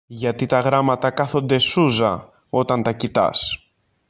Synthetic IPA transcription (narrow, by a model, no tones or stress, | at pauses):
ʝɐt̪it̪ɐɣɾɐmɐt̪ɐkɐθo̞nd̪e̞suzɐ̰ | o̞t̪ɐnt̪ɐcit̪ɐ̰s